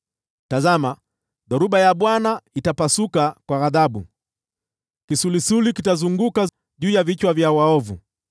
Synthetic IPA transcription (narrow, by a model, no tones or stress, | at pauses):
tazama | ðɔɾuɓajaɓwanaitapasukakwaɣaðaɓṵ | kisulisulikitazuŋɡuka | ʄuːjavit͡ʃwavjawaɔvu